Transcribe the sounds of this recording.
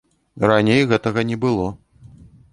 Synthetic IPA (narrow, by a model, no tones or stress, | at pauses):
ranʲejɣɛt̪ɐɣɐnʲɛbɨlˠɔ